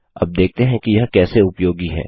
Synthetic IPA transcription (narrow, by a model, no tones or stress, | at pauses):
ɐ̰b̚d̪eːk̚ʰt̪eɦɛ̃kijɐɦkɛːseʊpjoːɡiɦɛ̰ː